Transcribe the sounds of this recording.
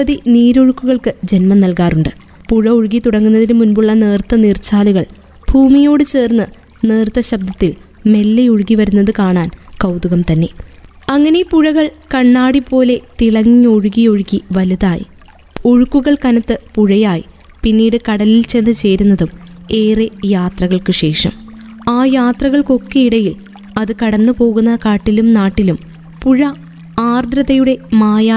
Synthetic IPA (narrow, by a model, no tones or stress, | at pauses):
ɐðiniːɾoɻukːuɣɐɭkɨd͡ʑe̞nmɐnɐlkaːruɳɖɨ | puɻɐoɻuɣit̪uɽɐŋːunːɐðinɨmunbuɭːɐne̞ːrt̪ːɐniːrt͡ɕaːluɣɐɭ | b̥ʱuːmijo̞ːɽɨt͡ɕe̞ːrnːɨ | ne̞ːrt̪ːɐɕɐb̚d̪ɐt̪ːil | me̞lːejoɻuɣiʋɐɾunːɐðɨkaːɳaːnkɐwd̪uɣɐmt̪ɐnːe̞ | ɐŋːɐne̞puɻɐɣɐɭkɐɳːaːɽipːo̞ːle̞t̪iɭɐŋːioɻuɣijoɻuɣiʋɐluðaːjḭ | oɻukːuɣɐɭkɐnɐt̪ːɨpuɻɐjaːjḭ | pinːiːɽɨkɐɽɐlilt͡ɕe̞nːɨt͡ɕe̞ːɾunːɐðume̞ːrejaːt̪rɐɣɐɭkɨɕe̞ːʂɐ̰m | aːjaːt̪rɐɣɐɭko̞kːe̞iɽɐjil | ɐðɨkɐɽɐnːɨpo̞ːɣunːɐkaːʈːilumnaːʈːilum | puɻɐ | aːrd̪ɾɐðɐjuɽe̞maːjaː